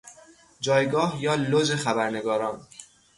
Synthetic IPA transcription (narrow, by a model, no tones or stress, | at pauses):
d͡ʒɒːjɡɒːhjɒːlozexæbæɾne̞ɡɒːɾɒːn